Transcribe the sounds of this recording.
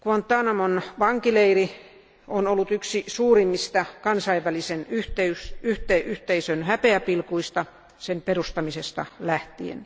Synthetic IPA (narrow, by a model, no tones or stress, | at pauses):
kuɑnt̪ːˑɑnɑmonʋɑŋkileiri | onolːut̪yksisuːrimːist̪ɑkɑnsɑiʋʋælisenyht̪eysyht̪eʔyht̪eisønhæpeæpilkuist̪ɑ | semperust̪ɑmisest̪ɑ̰læht̪iḛn